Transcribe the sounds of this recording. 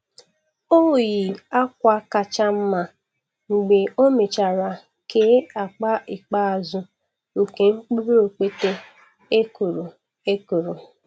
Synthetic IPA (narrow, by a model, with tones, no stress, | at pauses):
o˦˨ji˨a˦kʷa˦ka˨t͡ʃa˦m̩˦ma˨ | ŋ͡m̩˨ɡ͡be˨o˦me˨t͡ʃa˨ɾa˨ | keː˦a˨k͡pa˦ɪ˨k͡pa˦a˨zʊ˦ | u˨ke˨ŋ͡m̩˦k͡pu˦ɾu˦o˨k͡pe˦te˦ | e˦ku˨ɾu˨ | e˦ku˨ɾu˨